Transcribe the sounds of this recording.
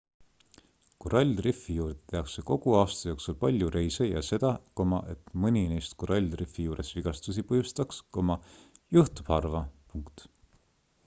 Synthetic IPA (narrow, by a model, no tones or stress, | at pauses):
koɾɑlʲdrifːijuːɾd̪̥e̥t̪e̞ɑkseko̞ɡ̥uɑːst̪ɑjo̞ːksulpɑlʲjuɾe̞jsejɑ̰se̞d̪̥ɑko̞mɑʔe̞t̪mɤnʲinejst̪koɾɑlʲrifːijuːɾe̞sviɡ̥ɑst̪us̬ipɤjust̪ɑksko̞mɑjuht̪ub̥hɑrvɑpuŋkt̪